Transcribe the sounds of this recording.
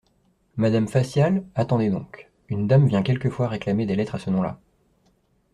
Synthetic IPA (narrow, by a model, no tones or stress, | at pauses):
mad̪amfasjalat̪ɑ̃d̪ed̪ɔ̃k | ynd̪amvjɛ̃kʲɛlkəfwaʁeklamed̪elɛt̪χasənɔ̃la̰